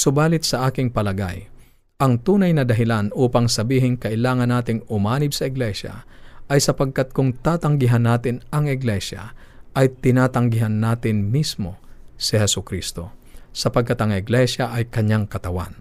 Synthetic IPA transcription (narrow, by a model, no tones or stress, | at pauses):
sʊbaːlɪt̪̚sɐʔaːkɪŋpɐlɐɡa̰j | ʔɐŋt̪uːnɐjnɐd̪ɐɦɪlanʔuːpaŋsɐbiːɦɪŋkɐʔɪlaːŋɐnːaːt̪ɪŋʊmaːnɪb̚sɐɪɡlɛʃa̰ʔɐjsɐpɐɡ̚kat̪̚kʊŋt̪aːt̪ɐŋɡɪɦanːaːt̪ɪnɐŋɪɡlɛʃa̰ | ʔɐjt̪ɪnaːt̪ɐŋɡɪɦanːaːt̪ɪnmismo̞sɪhɛsʊkɾist̪o̞sɐpɐɡ̚kːat̪ɐŋɪɡlɛʃaʔɐjkɐɲaŋkɐt̪ɐwa̰n